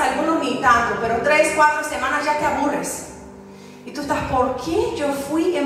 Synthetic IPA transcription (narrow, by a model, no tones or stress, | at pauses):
alɡũnõmĩt̪ãd̪ʊpeɾʊt̪ɾeskwat̪ɾʊsemãnɐzʒat̪ɪaβurɪs | it̪ust̪aspoɾkʰeʒewfujẽ